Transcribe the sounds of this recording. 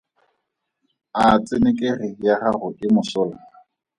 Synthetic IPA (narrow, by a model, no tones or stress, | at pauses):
at͡sʼɪnekʼerɪjaχarʊʔɪmʊsʊːla